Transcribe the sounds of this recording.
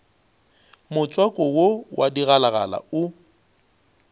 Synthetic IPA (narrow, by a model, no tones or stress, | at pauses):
mʊt͡sʼwakʼɔwowʔadiɣalaɣala̰ʊ